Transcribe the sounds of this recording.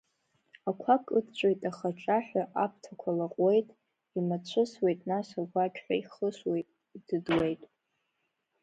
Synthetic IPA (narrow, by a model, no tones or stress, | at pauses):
akʷʰakʼɨdt͡ɕʷʼojtʼaχaʈ͡ʂʼaħʷᶣaʔap̚ʰtʰakʷʰalaqʼwe̞jtʼ | imat͡ɕʷʰɨswe̞jtʼnasaɡʷakʲʰʼᶣħʷᶣaiχəswe̞jtʼ | id̥ɨdwe̞jtʼ